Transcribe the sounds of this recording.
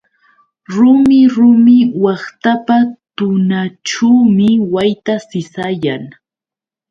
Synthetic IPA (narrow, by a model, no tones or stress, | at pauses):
ɾʊmɪɾʊmɪwɑχt̪apat̪ʊnaʈ͡ʂuːmɪwajt̪asɪsajaŋ